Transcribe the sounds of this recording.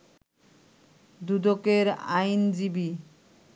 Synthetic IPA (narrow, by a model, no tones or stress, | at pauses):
d̪ud̪okeɾa̰jnd͡ʑibi